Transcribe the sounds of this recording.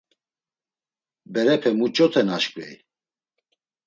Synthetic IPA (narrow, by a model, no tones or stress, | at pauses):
bɛɾɛpʰɛmut͡ʃʼɔt̪ʰɛnaʃkʼwɛj